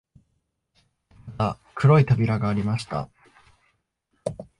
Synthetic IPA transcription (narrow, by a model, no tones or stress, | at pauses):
mat̪a | kʰɯ̟ɾo̞it̪abʲiɾaɡaːɾʲimaɕi̥t̪a̰